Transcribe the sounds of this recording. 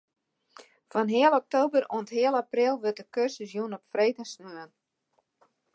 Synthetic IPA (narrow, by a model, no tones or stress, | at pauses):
fɔnɦɪəlˠɔk̚towbərṵənthɪəlˠaprɪlˠʋøt̚dəkørsəsjunɔpfreːtəsnøən